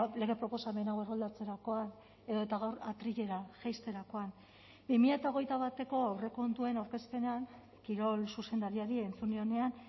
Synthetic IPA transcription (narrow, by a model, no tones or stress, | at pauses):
le̞ɣe̞pɾo̞po̞same̞naɣwerɣold̪at͡se̞ɾako̞an | e̞ðoet̪aɣawɾat̪ɾiʎe̞ɾaʝajst̪e̞ɾako̞an | bimiʎat̪aoɣ̞e̞jt̪aβat̪e̞ko̞awre̞ko̞nd̪ue̞nawɾke̞spe̞neaŋ | kiɾo̞lsuse̞nd̪aɾiaɾiːnt͡suneo̞ne̞an